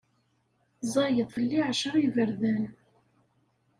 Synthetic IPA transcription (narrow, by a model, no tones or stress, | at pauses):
zˤɑjəðˤfəlːiʕʃəɾˤivəɾðæn